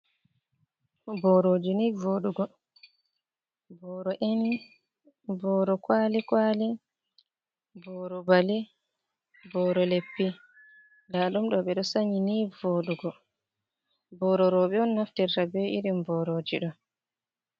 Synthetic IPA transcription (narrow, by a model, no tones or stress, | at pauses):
bɔɾoːd͡ʒinivoːɗuɡɔ | bɔːɾɔʔeni | bɔːɾɔkwaːlikwaːlɛ | bɔɾɔbalɛ | bɔɾɔlepːi | laɗumɗɔɓɛɗɔsaɲinivoːɗuɡɔ | bɔɾɔɾɔɓɛɔnːaftiɾtabɛiɾimbɔɾod͡ʒḭɗɔ